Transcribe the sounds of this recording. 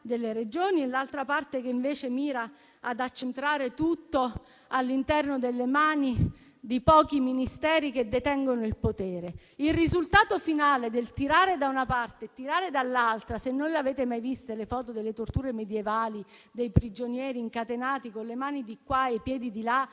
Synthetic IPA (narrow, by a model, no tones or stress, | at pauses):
d̪elːeɾed͡ʒoːniɛlːalt̪ɾapart̪ekeiɱveːt͡ʃemiːɾa | ad̪at͡ʃːent̪ɾaːɾet̪ut̪ːo | alːint̪ɛrnod̪elːemaːni | d̪ipɔːkiminist̪ɛːɾiked̪ːet̪ɛŋɡonoilpot̪ɛːɾe | ilrizult̪aːt̪ofinaːled̪elt̪iɾaːɾed̪aunapart̪et̪iɾaːɾed̪alːalt̪ɾasenːonleaveːt̪emajvist̪elefɔːt̪od̪elːet̪ort̪uːɾemed̪jevaːli | d̪ejpɾid͡ʒonjɛːɾiːŋkat̪enaːt̪ikonlːemaːnid̪ikwaepjɛːd̪id̪ila